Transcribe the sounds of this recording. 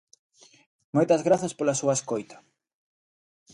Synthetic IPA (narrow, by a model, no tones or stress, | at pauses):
mojt̪ɐzɣɾaθɐspolɐsuaeskojt̪ɐ̥